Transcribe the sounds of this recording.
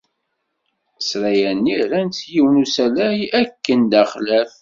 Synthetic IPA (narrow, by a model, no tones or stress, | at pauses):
sɾæjænːiɾænt̪jiwnusælæjækːənd̪æχlæf